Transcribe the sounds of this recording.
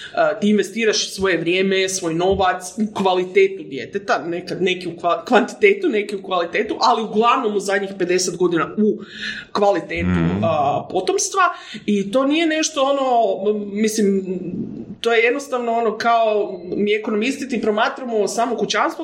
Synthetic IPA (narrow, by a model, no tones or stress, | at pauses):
ət̪iinʋe̞st̪iːɾaʃsʋo̞je̞ʋɾjeːme̞sʋo̞jno̞ʋat̪sukʋalit̪eːt̪ud̪je̞̰t̪et̪anekad̪nekiukakʋant̪i̥t̪e̞ːt̪une̞kiukʋalit̪eːt̪uʔaliuɡlˠaʋno̞muzad̪ʲɲixpe̞d̪e̞set̪ɡo̞d̪inaukʋalit̪eːt̪ṵpo̞t̪o̞mst̪ʋa | it̪o̞ːnije̞ne̞ʃt̪o̞ono̞mislim | t̪o̞je̞je̞d̪no̞st̪aʋnoono̞kaomiekono̞mist̪it̪ipɾo̞maːt̪ɾamo̞saːmokut͡ɕanst̪ʋo